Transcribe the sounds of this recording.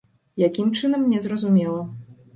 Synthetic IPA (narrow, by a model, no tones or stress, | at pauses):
jakʲimt͡ʂɨnɐmːnʲɛzrɐzumʲɛlˠɐ